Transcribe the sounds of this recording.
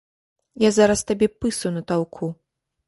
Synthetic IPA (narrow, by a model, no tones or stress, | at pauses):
jazaɾɐst̪abʲɛpɨsɐwnɐt̪alˠkʰu